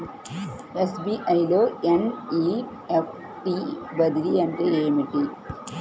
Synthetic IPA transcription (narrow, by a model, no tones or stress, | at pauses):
esbiːʔɐjloːeni | epʰ | ʈibɐd̪liɐɳʈeeːmiʈi